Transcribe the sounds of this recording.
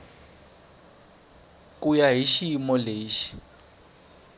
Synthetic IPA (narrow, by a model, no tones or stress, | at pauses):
k̬ʼujaɦiʃimɔleːʃi̥